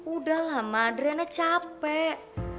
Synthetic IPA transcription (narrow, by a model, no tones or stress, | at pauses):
uɖalɦamadɾenɛt͡ʃapɛʔ